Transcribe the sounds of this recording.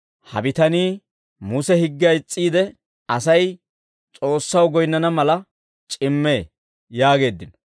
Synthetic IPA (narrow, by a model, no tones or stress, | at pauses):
hɐ̰bɪt̪ɐniː | mʊsɛhɪɡːɪɐjt͡sʼːiːd̪ɛ | ɐsɐj | t͡sʼo̞ːsːɐwɡɔjnːɐnɐmɐlɐ | t͡ʃʼɪmːe̞ː | jaːɡe̞ːd̪ːɪnɔ